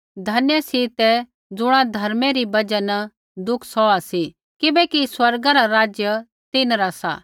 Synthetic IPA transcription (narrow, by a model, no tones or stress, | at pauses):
d̪ʱɐnjəsit̪ɛ | d͡zʊɽ̃ãd̪ʱɐɾmeɾibɐd͡ʒən | d̪ʊkʰsɔasi | kɪbɛkiswɐɾɡaɾaɾaːd͡ʒjə | t̪ɪnɾasa̰ː